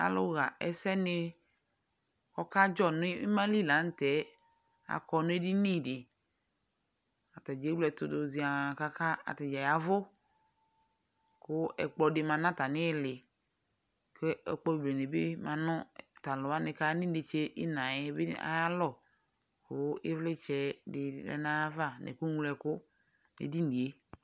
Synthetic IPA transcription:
a̰˨lʊ̰˦ɣa˨ɛ˨sɛ˦nɪ˦ | kɔ˦ka˦d͡ʒɔ˦˨nʊ̃˦mã˦li˦˨la˨˦n˦tɛ˨˦ | a̰˨kɔ˨nʊ̃˦e˦di˦nĩ˦˨dɪ˨ | a˨ta˨d͡ʒe˨˦lɛ˨t̪ʊ˨dʊ˨zi˨a˨ka˦ka˦a̰˨ta˨d͡ʒa˨ja˨vʊ˦ | kʊ˦ɛ̰˨k͡plɔ˨dɪ˨mã˨nã˦ta˨nɪ˦˨lɪ˨ | ke˦ɛ˨k͡pɔ˦˨ble˨ne˨bɪ˦mã˨nɔ̃˦ta˨lɔ˨a˦nɪ˨ka˦nɪ̃˦de˨t͡ʃe˦ʔɪ˦nã˨ɛ˦bɪ̰˦a̰˨ja˦lɔ˨ | kʊ˦ɪ˦vlɪ˦t͡ʃɛ˨˦dɪ˨dɛ̰˨nã˦a˦va˦˨nɛ̰˨ku˦u˦lɛ˨kʊ˦ | nḛ˨di˦n˨i˨e˦

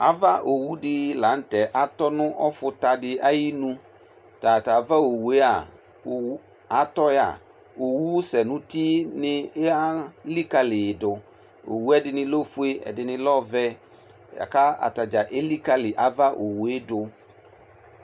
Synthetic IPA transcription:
a̰˦va˦ʔo˨wu˦dɪ˦la˨˦n̩˦tɛ˨ʔa˨tɔ˦nʊ̃˦ʔɔ˦fʊ˦ta˨dɪ˦a˦ji˦nũ˦ | ta˨ta˨va˦o˨wu˨e˦a˨ | o˨˦ | a˨tɔ˦ja̰˨ | o˨wu˦sɛ˨nʊ̃˦ti˦nɪ˦a˦li˦ka˦lɪ˨dʊ˨ | o̰˨wu˦ɛ˦dɪ˦nɪ̃˦lo˦fu˦e˦ɛ̰˨dɪ˨nɪ̃˦lɔ˦vɛ˦ | ja̰˨ka˦a̰˨ta˨d͡ʒa˨ʔe˦li˦ka˦lɪ˨ʔa˨va˦ʔo˨wu˨e˦dʊ˨

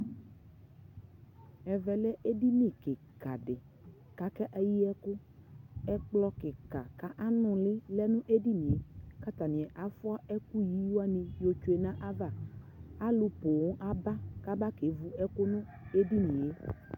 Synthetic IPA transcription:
ɛ˨vɛ˨lɛ˦ʔe˦di˦nĩ˦˨kɪ˨ | ka˨ɖɪ˨ | ka˨kɛ˦ʔa˦ji˦ɛ˦kʊ˦ | ɛ˦k͡plɔ˦kɪ˨ka˨ka˦ʔa˦nʊ̃˨lɪ˦lɛ˦nʊ̃˦ʔe˦di˦nĩ˨e˦ka˦t̪a˨nɪ̃˨ɛ˨ʔa˨fʊ˦a˦ɛ˦ku˦ji˦ju˦a˦nĩ˨jo˨t͡ʃo˦e˨nã˦ʔa˦va˦ | a˦lʊ˨po˨ŋʊ̃˦ʔa˦ba˦ka˦ba˦ke˨˦vu˦ɛ˦kʊ˦nʊ̃˦ | e˦di˦nĩ˨e˨˦

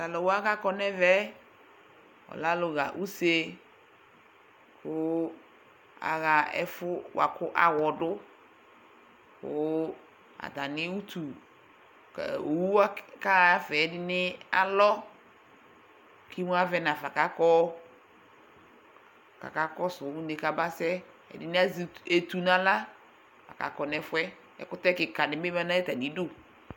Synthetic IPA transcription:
ta˨lɔ˨wo˦a˦ka˦kɔ˦nɛ˦vɛ˦ | ɔ̰˨la˦lʊ˨ɣa̰˨ʔu˦se˦ | kʊ˦ | a̰˨ɣa˨ɛ̰˦fʊ˦wa̰˨kʊ˦ʔa˨wɔ˨dʊ˦ | kʊ˦ | a̰˨d̪a˨nɪ˦wu˦t̪u˨ | o˨wu˦a˦ka˦˨a˦fɛ˨ɛ˨dɪ˦nɪ˦a̰˨lɔ˦ | kʰi˦mu˦a˦vɛ˦na˨fa˨ka˦kɔː˦ | ka̰˨ka˦kɔ˦sʊ˨˦u˦nɪ˨ka˦ba˦sɛ˦ | ɛ̰˨dɪ˦nɪ˦a˦ze˨tu˨nã˨la˦ | fa˨ka̰˨kɔ˨nɛ˦fʊ˦ɛ˦ | ɛ̰˨kʊ˦tɛ˦kɪ˨ka˨nɪ˨˦be˦ma˦nã˦ɛ˦ta˨nĩ˨˦do˦

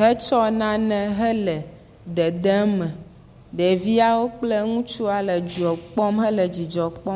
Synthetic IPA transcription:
ɦɛ˦t͡ʃɔ˦nã˦nɛ̃˦ɦɛ˦lɛ˨ | d̪ɛ˨d̪ɛ˦mɛ̃˨ | ɖɛ˨vi˦a˦wo˦k͡ple˦ŋũ˦t͡ʃu˦a˨lɛ˨d͡ʒu˨ɔ˨k͡pɔ˦mɦɛ˦lɛ˨d͡ʑi˨d͡ʒɔ˨k͡pɔ˦

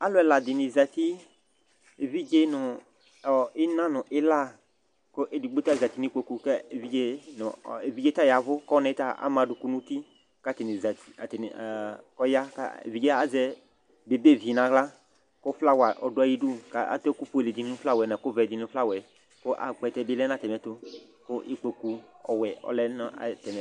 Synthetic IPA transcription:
a˦lʊ˦ɛ˨la˨dɪ˨nɪ˨za˨t̪i˦ | e˨vi˦d͡ʒe˦nʊ˨ | ɔ˨ɪ˦nã˦nʊ˨ʔɪ˦la˦˨ | kʊ˦ʔe˨di˨ɡ͡bo˦ta˦˨za˨t̪i˨nɪ˦kʷo˨ku˨kɛ˦˨vi˦d͡ʒe˦nʊ˨e˨vi˦d͡ʒe˦ta˦ja˨vʊ˦kɔ˦nɛ˨˦ta˦a̰˦mã˨dʊ˨ku˨nũ˦t̪i˦ | ka˦tɪ˨nɪ˨za˨ti̥˨a̰˨tɪ˨n˨kɔ˦ja˦ka̰˦ḛ˨vi˨˦d͡ʒɛ˦a˨zɛ˦ | be˨be˦˨vi˨nã˨ɡla˦ | kʊ˦fla˦wa˨ʔɔ˨dʊ˦a˨ji˦du˦ka˦a̰˦tɔ˦ku˦pu˦e˨le˨di˨ni˦ʊ˦fla˦wɛ˨nɛ˨kʊ˦vɛ˨di˨n˦fla˦wɛ˨ | kʊ˦ʔa̰˨k͡pɛ˨tɛ˦bɪ˦lɛ˦na˦˨tɛ˨mɛ˨tʊ˦ | kʊ˦ʔi˦k͡pe˨ku˨ɔ̰˨wɛ˨ɔ̰˨lɛ˦nɔ˦a̰˨t̪ɛ˨mɛ˨

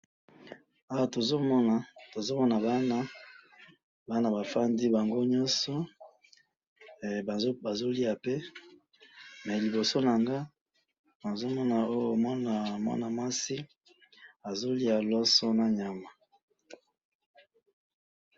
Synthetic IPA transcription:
a˦wa˨to˨zo˦mɔ˦na˨to˨zo˦mɔ˦na˨ba˦na˦ | ba˦na˨ba˨fa˦ndi˦ba˨ŋɡo˦ɲɔ˦nsɔ˦˨ | bba˨zo˦li˦a˨pe˦ | mɛ˨li˨bo˨so˦na˨ŋɡa˦ | ma˨zo˦mɔ˦na˨o˦jo˨mɔ˦na˨mɔ̰˦na˨ma˦si˦ | a˨zo˦li˦a˨lɔ˦sɔ˦na˦ɲa˨ma˨

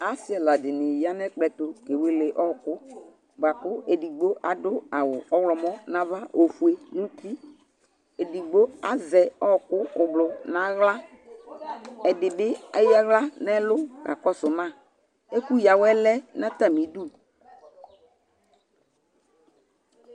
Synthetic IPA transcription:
a˦sɪ˦ɛ˨la˨dɪ˨nɪ˨ja˦nɛ˦k͡pɛ˨tʊ˨ke˨we˦le˨ʔɔ˦˨kʊ˦ | ba˨kʊ˦e˨di˨ɡ͡bo˦ʔa˨dʊ˦a˨wʊ˨ɔ˦wlɔ˨mɔ˦nã˦va˦ʔo˨fu˨e˦nũ˦ti˦ | e˨di˨ɡ͡bo˦a˨zɛ˨ɔ˦˨kʊ˦ʊ˨blʊ˨na˨ɣla˦ | ɛ˨dɪ˨bɪ˦a˦ja˦ɣla˦nɛ˦lʊ˦ka̰˨kɔ˦sʊ˨mã˦˨ | e˦ku˦ja˨wɛ˦lɛ˦nã˦ta˨mi˨˦du˦

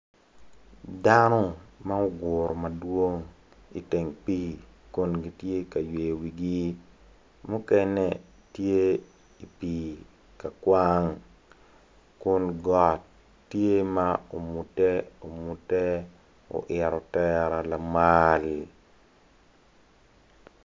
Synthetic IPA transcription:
da˦nɔ˦ma˦o˦ɡʊ˨ɾɔ˨ma˨dwo˦ŋ | ḭ˨te˨ŋpi˦kʊ˦nɡi˨tje˦ka˨je˨wi˨ɡi˦ | mʊ˦kɛ˦nɛ˨ | tje˦ | i˨pi˨ | ka˨kwa˦ŋ | kʊ˦nɡɔ˨tː | je˦ma˦o˨mu˨tɛ˦o˨mu˨tɛ˦ | o̰˨ʔɪ˨ɾɔ˨tɛ˦ɾa˨la˨ma˦l

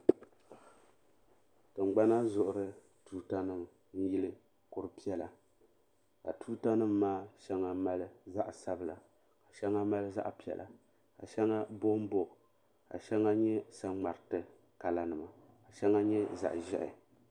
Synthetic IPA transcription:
tɨ˨ŋ͡mɡ͡ba˦na˦zʊ˨ʔʊ˨ɾɨ˦ | tuː˦ta˦nɨ˦m | n̩˦ji˦lɨ˦ | kʊ˨ɾɨ˨pi˦ɛ˦la˨ | ka̰˨tuː˦ta˦nɨ˦mː˦aː˦ʃɛ˦ŋa˦ma˦lɨ˦za˦ʔsa˦bɨ˦˨la̰˨ | ka˨ʃɛ˦ŋa˦ma˦lɨ˦za̰˦ʔpi˦ɛ̰˨lʔa̰˨ | ka̰˨ʃɛ˦ŋa˦bo˦m˦bo˦ʔ | ka̰˨ʃɛ˦ŋa˦ɲɛ˦sa˦ŋ͡ma˨ɾɨ˨tɨ˨ | ka˨la˨nɨ˨ma˨ | ka˨ʃɛ˦ŋa˦ɲɛ˦za̰˨ʔʒɛ˦ʔɪ̰˨

